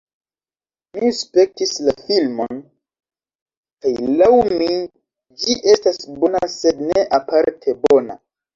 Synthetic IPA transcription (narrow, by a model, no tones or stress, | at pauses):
mispe̞k̚tislafilmo̞̰n | kajlawmi | d͡ʒiʔe̞stasbo̞nase̞dne̞ʔapaɾtʰe̞bo̞na̰